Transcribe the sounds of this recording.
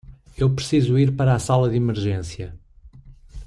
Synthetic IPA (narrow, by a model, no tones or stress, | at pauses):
ewpɾsizuiɾpɐɾasalˠɐðimɨɾʒẽsjɐ